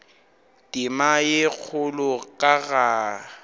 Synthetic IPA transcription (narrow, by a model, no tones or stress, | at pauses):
tʼɪmajek͡xʰʊlʊkʼaɣa